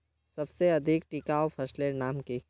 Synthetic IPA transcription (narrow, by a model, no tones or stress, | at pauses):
sɐbseɐd̪ʱɪkʈikaɔːpʰɐslenaːmki